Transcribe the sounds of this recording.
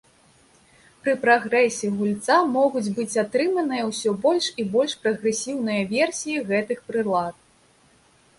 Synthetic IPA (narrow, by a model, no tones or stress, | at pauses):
pɾɨpɾaɣɾɛsʲiɣulʲt̪samɔɣud͡zʲbɨt͡sʲat̪ɾɨmɐnɨjɐwsʲɔbɔlʲʂibɔlʲʂpɾɐɣɾɛsʲiwnɨjɐvʲɛrsʲijiɣɛt̪ɨxpɾɨlˠat̪̚